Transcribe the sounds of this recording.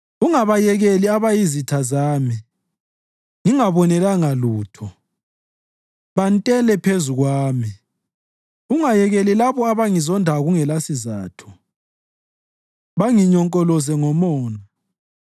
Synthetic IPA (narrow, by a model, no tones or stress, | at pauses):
uŋaβajɛɣeliaβajizitʰazaːmi | ŋiŋaβɔnɛlaŋaluːtʰɔ | βantʼɛlɛpʰezuɣwaːmi | uŋajɛɣelilaβɔaβaŋizɔndʱaɣuŋɛlasiza̰ːtʰu̥ | βaŋiɲɔŋkʼɔlɔzɛŋɔmɔːna